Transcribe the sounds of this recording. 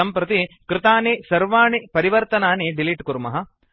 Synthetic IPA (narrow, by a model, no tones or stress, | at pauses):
ɐmpɾɐt̪ikɾɪt̪aːnisɐɾʋaːɳipɐɾiʋɐɾt̪ɐnaːniɖiliʈkuɾmɐɦɐ